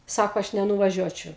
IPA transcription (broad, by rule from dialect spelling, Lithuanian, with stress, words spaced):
ˈsɑːkoː ˈɐʃ nʲɛnʊʋɐˈʒʲuɔt͡ʃʲɛʊ